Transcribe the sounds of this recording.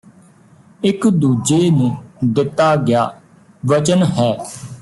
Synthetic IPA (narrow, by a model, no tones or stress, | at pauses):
ɪkd̪uːd͡ʒeːnũːd̪ɪt̪ːaːɡɪja̰ː | ʋət͡ʃənɦɛː